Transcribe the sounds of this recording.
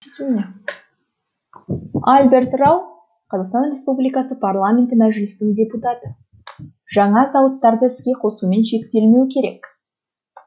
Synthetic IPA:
alʲbʲe̞ɾt̪raw | qʰɑzɑʁqst̪ɑnrʲe̞spublijkɑsəpʰarlˠamʲe̞nt̪əmæʒɪlɪst̪ɪŋdʲe̞put̪ɑt̪ə | ʒ̥ɑɴɑzɑwət̪ːɑɾd̪əɪskʲe̞qʰo̞sume̞nʃe̞k̚t̪e̞lme̞wɪkʲʰe̞ɾe̞k

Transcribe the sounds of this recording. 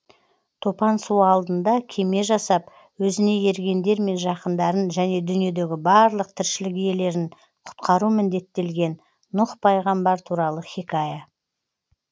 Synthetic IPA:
t̪ʰo̞pɑnsuɑlˠd̪ənd̪ɑkʲʰe̞me̞ʒɑsɑp | wɵzɪne̞e̞ɾɡʲe̞nd̪e̞ɾme̞nʒɑqənd̪ɑɾənʒæne̞d̪ʏnije̞d̪e̞ɡʲɪbɑɾlˠəq̚t̪ʰɪɾʃɪlɪkije̞le̞ɾɪn | qʰʊ̥t̪qɑɾumɪnd̪e̞t̪ːe̞lɡʲe̞nː | ʊqpʰɑjʁɑmbɑɾt̪ʰuɾɑlˠəχʲikaja

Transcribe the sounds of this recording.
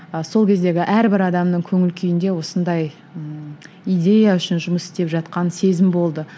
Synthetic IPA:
əso̞lˠkʲʰe̞zd̪e̞ɡʲɪʔæɾbɪɾɑd̪ɑmnəɴkʲʰɵŋɪlkʲʰʏjɪnd̪e̞wo̞sənd̪ɑj | ijd̪ʲe̞jaʏʃɪnʒʊməsɪ̥st̪e̞pʒɑt̪̚qɑnse̞zɪmbo̞lˠd̪ə

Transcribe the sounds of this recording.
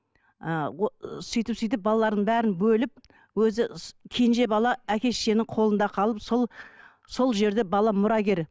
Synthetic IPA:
əosʏjt̪ɪpsʏjt̪̬ɪp̚bɑlˠɑlˠɑɾd̪əɴbæɾɪnbɵlɪp̚ | wɵzɪkʲʰenʒe̞bɑlˠɑækʲe̞sʃe̞nɪŋqʰo̞lˠənd̪ɑqʰɑlˠəpsolˠ | so̞lˠʒe̞ɾd̪e̞bɑlˠɑmʊɾɑɡʲe̞ɾ

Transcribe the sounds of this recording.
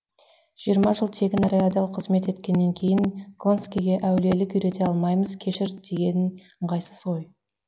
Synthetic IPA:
ʒ̥ijəɾmɑʒəlˠt̪ʰe̞ɡʲɪnɾead̪ɑlˠqʰəzme̞t̪e̞t̪kʲe̞nːe̞ŋkʲʰe̞jɪŋɡo̞nskʲijɡʲe̞ʔæwle̞lɪkʏjɾe̞t̪e̞ɑlˠmɑjməz̥kʲʰe̞ʃɪɾd̪e̞ɡʲe̞nɪn | ɴqʰɑjsə̥so̞j

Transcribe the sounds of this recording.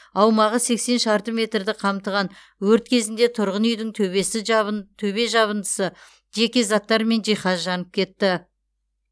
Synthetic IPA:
ɑwmɑʁəse̞kse̞nʃɑɾt̪əmʲe̞t̪rd̪ɪqʰɑmt̪əʁɑn | wɵɾt̪kʲʰe̞zɪnd̪e̞t̪ʰʊɾʁənʏjd̪ɪŋt̪ʰɵesɪt̪ʰɵβe̞ʒɑβənd̪əsə | ʒe̞kʲezɑt̪ːɑɾme̞nʒijχɑzʒɑnəp̚kʲʰe̞t̪ːɪ

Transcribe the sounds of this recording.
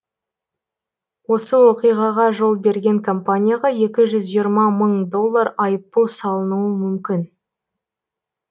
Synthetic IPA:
wo̞səwo̞qijʁɑʁɑʒo̞lˠbe̞ɾɡʲe̞ŋkʰo̞mpanʲijaʁɑje̞kʲɪʒʏzʒijəɾmɑməɴd̪o̞lˠːaɾɑjəp̚t̪ulˠsɑlˠənuəmʏmkʲɪn

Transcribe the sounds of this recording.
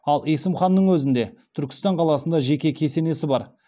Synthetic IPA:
ɑlˠesɪmχɑnːəɴwɵzɪnd̪e̞t̪ʰʏɾkʲɪ̥st̪ɑɴqʰɑlˠɑsənd̪ɑʒe̞kʲe̞kʲʰe̞se̞ne̞sɪbɑɾ

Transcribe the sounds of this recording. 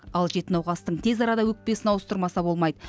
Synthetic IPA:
ɑlˠʒe̞t̪ɪnɑwʁɑst̪əɴt̪ʰe̞zɑɾɑd̪ɑwɵk̚pe̞sɪnɑwəst̪əɾmɑsɑbo̞lˠmɑjd̪ə

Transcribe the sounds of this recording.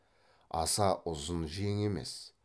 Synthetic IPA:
ɑ̰sɑʔʊzənʒijeŋe̞me̞̰s

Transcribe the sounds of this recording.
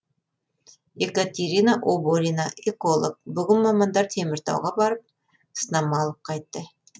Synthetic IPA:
ekat̪ʲeɾʲinaʔoboɾʲinaʔeko̞lˠok̚bʏɡʲɪnmɑmɑnd̪ɑɾt̪ʰe̞mɪɾt̪ɑ̰wʁɑbɑɾəp̚ | snɑmɑlˠəp̚qʰɑjt̪ːə

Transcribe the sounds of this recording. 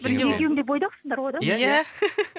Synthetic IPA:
bɪɾɡʲejekʲewɪŋd̪ebojd̪ɑqsənd̪ɑɾwojd̪ɑjæ

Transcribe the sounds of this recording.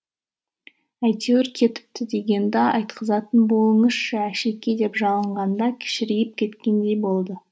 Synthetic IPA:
æjt̪ewɪɾkʲʰe̞t̪ɪ̥p̚t̪ɪd̪e̞ɡʲe̞nd̪ɑɑjt̪qəzɑt̪ənbo̞lˠəɴəsʃɑæʃe̞kʲːed̪e̞pʒɑlˠəɴʁɑnd̪ɑkʲʰɪ̥ʃɪɾɪjɪp̚kʲʰe̞t̪kʲe̞nd̪e̞jbo̞lˠd̪ə

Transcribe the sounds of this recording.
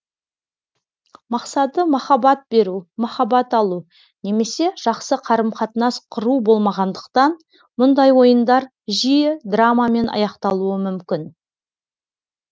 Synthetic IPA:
mɑqsɑt̪əmɑχɑbɑt̪̚be̞ɾumɑχɑbɑt̪ɑlˠu | ne̞me̞se̞ʒ̥ɑqsəqʰɑɾəmqɑt̪ənɑsqʰəɾubo̞lˠmɑʁɑnd̪əqt̪ɑn | mʊnd̪ɑjwo̞jənd̪ɑɾ | ʒijɪd̪ramame̞nʔɑ̰jɑqt̪ɑlˠuəmʏmkʲɪn

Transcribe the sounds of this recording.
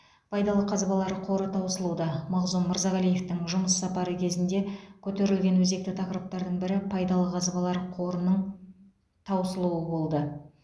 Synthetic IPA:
pʰɑjd̪ɑlˠəqʰɑzbɑlˠɑɾqʰo̞ɾət̪ʰɑwsəlˠud̪ɑmɑʁzunməɾzɑʁælije̞ft̪ɪŋʒʊməsːɑpɑɾəkʲʰe̞zɪnd̪e̞kʲʰɵt̪e̞ɾɪlɡʲe̞nwɵze̞k̚t̪ɪt̪ʰɑqəɾəp̚t̪ɑɾd̪əɴbɪɾɪpʰɑjd̪ɑlˠəqʰɑzbɑlˠɑɾqʰo̞ɾənəɴ | t̪ʰɑwsəlˠuwəbo̞lˠd̪ə

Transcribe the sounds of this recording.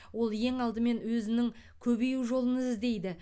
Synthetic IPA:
wo̞lˠje̞ŋɑlˠd̪əme̞nwɵzɪnɪŋ | kʲʰɵbejuʒo̞lˠənəzzd̪e̞jd̪ɪ

